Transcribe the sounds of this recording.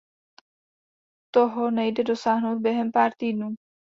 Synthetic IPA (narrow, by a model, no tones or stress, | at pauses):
t̪oɦɔnɛjdɛdosaːɦnowt̪̚bjɛɦɛmpaːɾt̪iːnuː